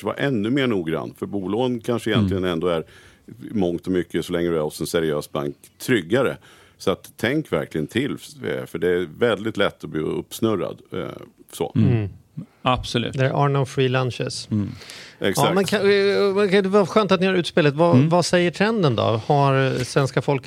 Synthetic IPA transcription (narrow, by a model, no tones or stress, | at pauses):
əva̰ɾʔɛnːɵmeːɳuːɡɾa̰nːfœɾbuːloːɡənkʰanʂəɪjɛnt̪lɪɡənɛnd̪oːæɾ | mɔŋt̪ɔmʏkːəsɔlɛŋːəɖɾɔt̪sɛnsæɾɪøːsba̰ŋkt̪ʰːɾʏɡːaɾə̰ | sɔat̪ʰːɛŋkvæɾklɪɡənt̪ʰɪlfœɖɛævɛld̪ɪt̪lɛt̪ːɔblḭːɵ̰pːsnɵɾa̰d̪̰ | so̰ː | ab̥sɔlʉ̰ːd̪ɛæɾʔa̰ːɳɔfɾiːlanɕɛs | ɛkɑamɛnkʰamɛd̪ɛvaɧøːnt̪at̪nɪhaɾʉ̟ːt̪speːlət̪vavasɛjːəʈʰɾɛnd̪ənd̪ɔ̰haɾsvɛnskafɔlk